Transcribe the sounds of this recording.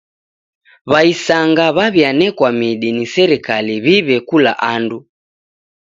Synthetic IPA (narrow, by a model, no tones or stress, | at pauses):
βaisaŋɡaβaβjanɛkwamiɗinisɛɾikaliβiβɛkula̰ʔandu